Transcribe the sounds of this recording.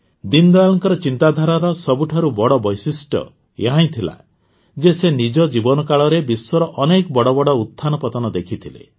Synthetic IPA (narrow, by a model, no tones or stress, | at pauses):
d̪ind̪ɔalɔŋkɔɾɔt͡ʃint̪ad̪ʱaɾaɾɔsɔbuʈʰaɾubɔɽɔbɔjsisʈɔ̰ | jeɦãj̃t̪ʰila̰ | d͡ʒesenid͡ʒɔd͡ʒibɔnɔkaɭɔɾebiswɔɾɔʔɔnekɔbɔɽɔbɔɽɔut̪ʰːanɔpɔt̪ɔnɔd̪ekʰit̪ʰilḛ